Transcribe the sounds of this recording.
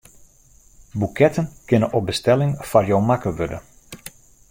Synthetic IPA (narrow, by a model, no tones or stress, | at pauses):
bukʰɛtənkɪnənʔɔp̚bəstɛlɪŋfarjowmakəʋødə̰